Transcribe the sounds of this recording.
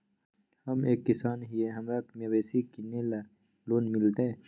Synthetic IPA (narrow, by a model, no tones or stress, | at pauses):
hɐmeːkːisaːnɦieɦɐmɾɐkmeweːsikinela | loːnmilt̪ẽ